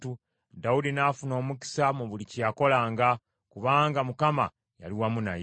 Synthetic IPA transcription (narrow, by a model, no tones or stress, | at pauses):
tu | daudinafuno̞ːmuki̥samuβulicijako̞laːŋɡa | kuβaːŋɡamukama̰ | ja̰liwamuna̰j